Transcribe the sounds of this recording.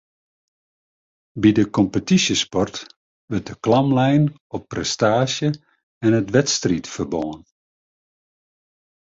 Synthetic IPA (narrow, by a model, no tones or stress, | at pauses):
bidəkɔmpətisjəspɔrt | ʋɵrt̚dəklɑmlɛjn | ɔpːrɛstaːʃjə | ɛnətʋɛtstritfərbɔːən